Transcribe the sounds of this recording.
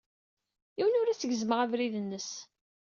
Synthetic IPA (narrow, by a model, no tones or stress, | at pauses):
iwənʊɾæt͡səʝəzməʁævɾiðənːəs